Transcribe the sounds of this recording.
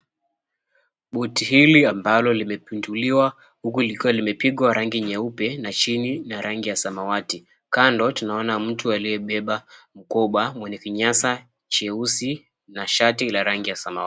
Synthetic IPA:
ɓɔtihiliambalɔlimɛpinduliwa | hukulikiwalimɛpiɠwaɾaŋɡiɲɛupɛnat͡ʃininaɾaŋɡijasamawati | kandɔtunaɔnam̩tualijɛɓɛɓam̩kɔɓwamwɛnɛkiɲasa | t͡ʃɛusi | naʃatilaɾaŋɡijasamaa

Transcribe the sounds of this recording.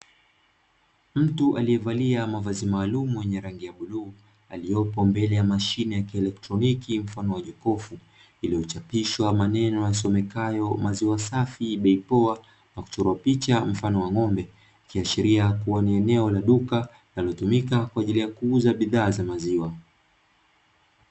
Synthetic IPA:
m̩tuʔaliɛvaliamavazimaːlumuwjɛɲɛɾaŋɡijaɓuluː | a̰lijɔpɔmbɛlɛjamaʃinɛjakiɛlɛk̚tɾɔnikim̩fanɔwaʄɔkɔfu | ilijɔt͡ʃapiʃwamanɛnɔjas̬ɔmɛkajɔmaziwasafiɓɛipɔa | naku̥t͡ʃɔɾuapit͡ʃam̩fanɔwaŋɔmbɛ | kiaʃiɾiakuwaniɛnɛɔlaɗuka | lalɔtumikakwaːʄilijakuuzaɓiðaːzamaziwa

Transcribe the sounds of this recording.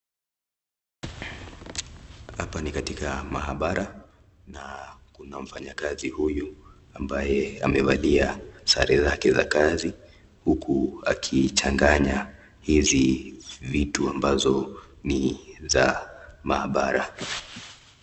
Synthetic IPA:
hapanikatikamaɦaɓaɾʔa | nakunam̩faɲakazihuju | ambajɛamɛvaliasa̰ɾɛzakɛza̰kazi | hukʰua̰kʰit͡ʃaŋɡaɲa | hizivituambazɔ | nizamahaɓaɾa̰

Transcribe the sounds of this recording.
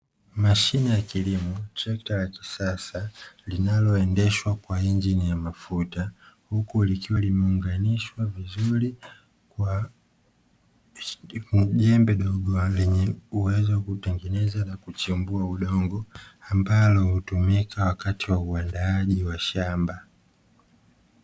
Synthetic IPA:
maʃinijakilimɔtɾɛktalaki̥sasalinalɔɛndɛʃwakwaiɲd͡ʒinijamafutahukulikiwalimɛuŋɡaniʃwavizuɾi | kwa | ʄɛmbɛɗɔɡɔlɛɲɛuwɛzɔwakutɛŋɡɛnɛzanakut͡ʃimbuauɗɔŋɡɔambalɔhutumikawakatiwauandaaʄiwaʃamba

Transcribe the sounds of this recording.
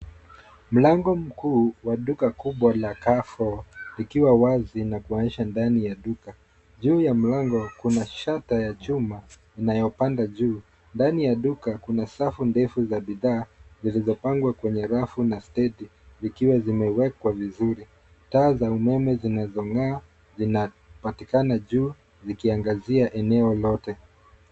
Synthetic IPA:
m̩laŋɡɔm̩kuːwaɗukakuɓwalakafɔlikiwawazinakuaɲiʃandanijaɗuka | ʄuːjam̩laŋɡɔkunaʃatajat͡ʃuma | inajɔpandaʄuː | ndanijaɗukakunasafundɛfuzaɓiðaːzilizɔpaŋɡwakwɛɲɛɾafunastɛɗi | zikiwazimɛwɛkwavizuɾi | taːzaumɛmɛzinazɔŋaː | zina | patikanaʄuː | zikiaŋɡaziaʔɛnɛɔlɔtɛ

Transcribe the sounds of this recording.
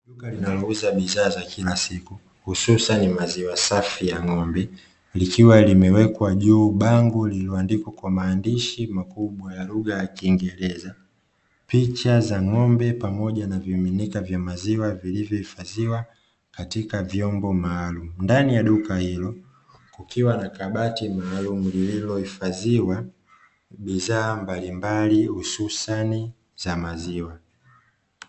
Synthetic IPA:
ɗukalinalɔuzaɓizaːzakʰilasiku | hususanimaziwasafijaŋɔmbɛ | likiwalimɛwɛkwaʄuːɓaŋɡulilɔandikwakwamaːndiʃimakuɓwajaluɠajakiːŋɡɛɾɛza | pit͡ʃazaŋɔmbɛpamɔʄanaviminikavjamaziwavilivjɔifaziwa | katikavjɔmbɔmaːlumundanijaɗukahilɔ | kukʰiwanakaɓatimaːlumulililɔhifaziwa | ɓizaːmbalimbalihususani | zamaziwa

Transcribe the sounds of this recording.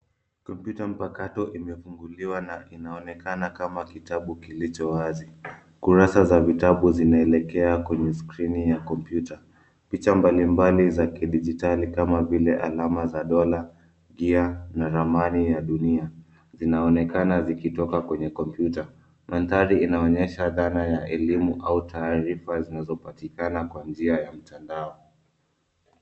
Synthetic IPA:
kɔmpjutam̩pakatɔʔimɛfuŋɡuliwanaʔinaɔnɛkanakamakitaɓukilit͡ʃɔwazi | kuɾasazavitaɓuzinaɛlɛkɛakwɛɲɛskɾinijakɔmpjuta | pit͡ʃambalimbalizakiɗid͡ʒitalikamavilɛʔalamazaɗɔla | ɡianaɾamanijaɗunia | zinaɔnɛkanazikitɔkakwɛɲɛkɔmpjuta | mantaɾiinaɔɲɛʃaðanajaʔɛlimuʔautʰaːɾifazinazɔpatikanakwand͡ʒiajam̩tʰandaɔ

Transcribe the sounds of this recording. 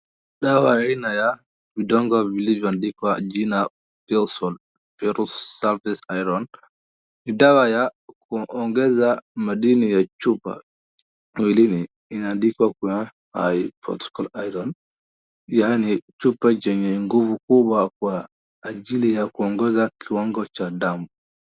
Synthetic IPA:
ɗawajainaja | bidɔŋɡavilid͡ʒandikad͡ʒina | pɛlsɔl | fɛɾɔsaɾfɛsajɾɔn | idawajakʰɔʔɔŋɡɛzamadinijat͡ʃupːa̰ | wilini | inandikwakuja | ha̰jpɾɔ̰tɔ̥kalajɾɔn | janit͡ʃupːad͡ʒɛɲɛŋɡuvukubakuaː | d͡ʒilijakuɔŋɡɛzakʰiwɔŋɡɔt͡ʃadamu

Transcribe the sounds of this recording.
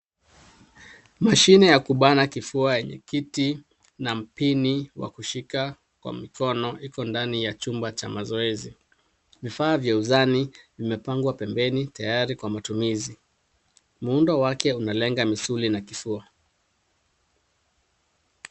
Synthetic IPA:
maʃinɛjakuɓanakifuajɛɲɛ̰kiti | nam̩piniwa̰kuʃika | kwa̰mikɔnɔikɔndanijat͡ʃumbat͡ʃamazɔɛzi | vifaːvjauzanivimɛpaŋɡwapɛmbɛnitajaɾikwamatumizi | m̩undawakɛunalɛŋɡamisulinakifua

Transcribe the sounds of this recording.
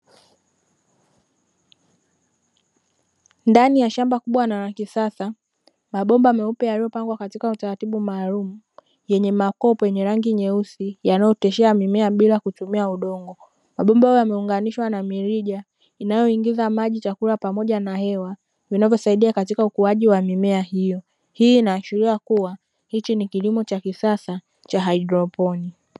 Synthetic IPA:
ndanijaʃambakuɓwanaɾaŋɡisasa | maɓɔmbaamɛupɛjalijɔpaŋɡwakatikautaɾatiɓumaːlumu | jɛɲɛmakɔpɔjɛɲɛɾaŋɡiɲɛusijanajɔtɛʃɛamimɛaɓilakutumiauɗɔŋɡɔ | maɓɔmbahajɔjamɛuŋɡaniʃwanamiɾiʄa | inajɔiŋɡizamaʄit͡ʃakuɾapamɔʄanahɛwa | vinavjɔsaiɗiakatikaukuaʄiwamimɛahijɔ | hiːnaʃiɾiakuwa | hit͡ʃinikilimɔt͡ʃakisasa | t͡ʃaɦaidɾɔpɔni

